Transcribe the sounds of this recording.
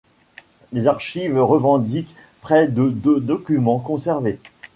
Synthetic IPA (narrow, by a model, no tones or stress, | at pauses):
lezaʁʃivʁəvɑ̃d̪ik | pχɛd̪əd̪ød̪ɔkʲymɑ̃kɔ̃sɛʁve